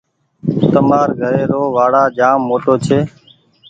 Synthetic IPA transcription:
t̪əmaːɾɡʱəɾeːɾoːʋaːɽaːd͡ʒaːmːoːʈoːt͡ʃʰeː

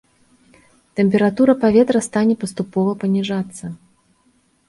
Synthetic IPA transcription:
t̪ɛmʲpʲɛɾat̪uɾɐpavʲɛt̪ɾɐst̪anʲɛpɐst̪upɔvɐpɐnʲiʐat̪sːɐ

